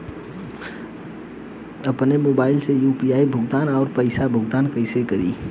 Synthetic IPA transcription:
ɐpnemoːbaːɪlsejuːpiaːibʱʊɡt̪aːnɔːɾpəɪsabʱʊɡt̪aːnkəɪsekɐɾḭː

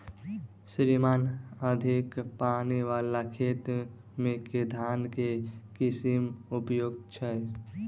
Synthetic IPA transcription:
sɾimaːnəd̪ʱikpaːniʋaːlakʰeːt̪ | mẽked̪ʱaːnkekɪsimʊpjoːɡt͡ʃʰɛ

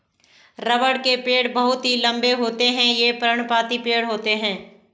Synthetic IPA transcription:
ɾɐʋəɽkepeːɽbɐɦʊt̪ɦilɐ̃mbeɦoːt̪eɦɛ̃jepəɾəɽ̃paːt̪ipeːɽɦoːt̪eɦɛ̃ː

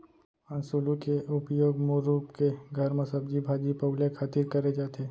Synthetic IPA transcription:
ãːnsuːlukeʔʊpjoːɡmuɾuːpkeɡʱɐɾmɐsəb̚d͡ʒibʱaːd͡ʒipɐɡlekʰaːt̪ɪɾkɐɾed͡ʒaːt̪eː

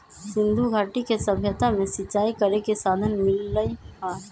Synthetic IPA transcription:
sɪ̃nd̪ʱuɡʱaːʈikesɐbʱjət̪amẽsɪtːʃaːikəɾekesaːd̪ʱənmɪlːəihaː

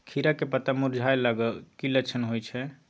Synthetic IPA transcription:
kʰiɾakepət̪amuɾd͡ʒʱajlaɡəlkilət͡ʃʰənɦojt͡ʃʰɛ

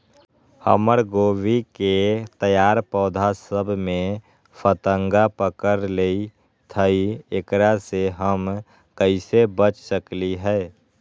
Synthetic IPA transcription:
hə̰məɾɡoːwiket̪əjaːɾpɔːd̪ʱasəbʱmẽ | pʰət̪əŋɡapəkəɾlei | t̪ʰəiekɾaseɦəm | kəɪsebət͡ʃsəkliɦɛː

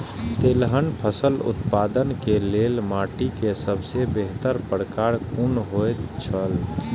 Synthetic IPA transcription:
t̪eːlɦənpʰəsəlʊ̰t̪pad̪ənkelelmaʈikesəbʱsebeɦt̪əɾpəɾkaɾkunɦojt̪t͡ʃʰəl

